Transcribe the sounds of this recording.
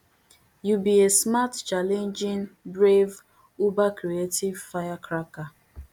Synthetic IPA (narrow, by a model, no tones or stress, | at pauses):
jubiesmatt͡ʃalend͡ʒiŋbɾev | ubakɾietivfajakɾaka